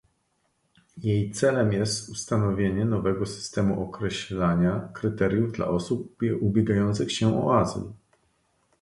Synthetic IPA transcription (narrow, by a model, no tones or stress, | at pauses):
jejt̪sɛlɛmjɛst̪ust̪anɔvʲjeɲɛnɔvɛɡɔsɘ̥st̪ɛmuʔɔkɾɛɕlaɲakɾɘt̪ɛɾʲjuvd̪la̰ʔɔsup̚ubʲjeɡajɔnt̪sɘxɕɛʔɔ̰azl